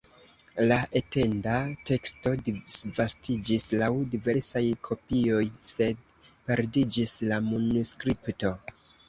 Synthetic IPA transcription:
laʔe̞te̞ndate̞ksto̞disvastid͡ʒislawdive̞ɾsajkʰo̞pio̞jse̞d̚ | pe̞ɾdid͡ʒislamunuskɾipto̞

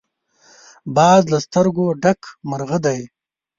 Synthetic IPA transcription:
bɑːzlast̪əɾɡoɖakʰmaɾɣəd̪aj

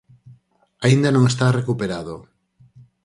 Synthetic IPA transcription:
aind̪anõŋest̪arekupeɾaðo

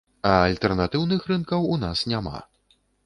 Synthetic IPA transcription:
ɐːlʲt̪ɛrnat̪ɨwnɨxrɨnkɐwun̪asnʲama̰

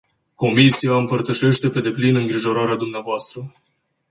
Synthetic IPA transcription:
ko̞misiaɨmpərt̪əʃe̞ʃt̪e̞pe̞d̪e̞plinɨŋɡɾiʒo̞ɾaɾead̪umneavoast̪ɾə

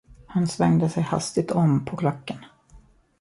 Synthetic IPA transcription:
hansvɛŋd̪əsɛjha̰st̪ɪɡ̚t̪ʰɔmːpʰɔkʰlɔkːən

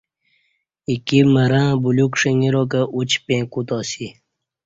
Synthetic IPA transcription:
ikiməɾãːbulukʂəŋiɾokəʔut͡ɕpẽːkut̪ɔːsi

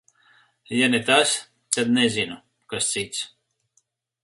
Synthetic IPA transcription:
janʲɛt̪as | t̪ad̪nɛzinu | kast̪sit̪s

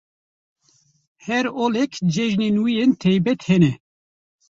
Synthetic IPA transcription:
hɛɾoːlɛkd͡ʒɛʒnenwijent̪ʰɛjbɛt̪hɛnɛ

